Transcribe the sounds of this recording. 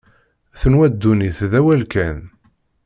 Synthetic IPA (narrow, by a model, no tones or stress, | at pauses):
θənwæd̪ːuniθðæwælkæn